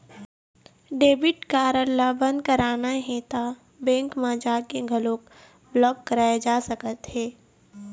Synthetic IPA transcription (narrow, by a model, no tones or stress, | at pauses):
ɖeːbɪʈkaːɾəlːabə̃nd̪kɐɾaːnaɦẽt̪a | bɛ̃ːŋkmaːd͡ʒaːkeɡʱɐlõk | blɔːbkːɐɾaːjed͡ʒaːsɐkət̪ɦɛː